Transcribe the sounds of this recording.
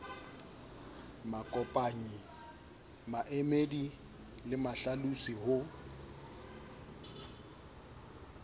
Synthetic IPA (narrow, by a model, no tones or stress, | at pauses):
makʼɔpʼaɲi | maʔemedi | lɪmaɬalusihʊ